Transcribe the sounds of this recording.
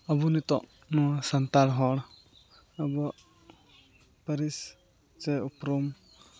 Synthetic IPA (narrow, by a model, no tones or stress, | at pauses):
abunit̪ɔʔ | nɔsant̪alɦɔɽ | əbɔʔ | pəɾis | t͡ʃɛupɾum